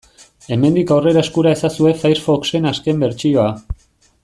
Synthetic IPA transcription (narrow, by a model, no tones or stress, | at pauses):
e̞me̞nd̪ikawre̞ɾae̞skuɾae̞sasue̞fajɾfo̞kse̞naske̞mbe̞ɾt͡ʃio̞a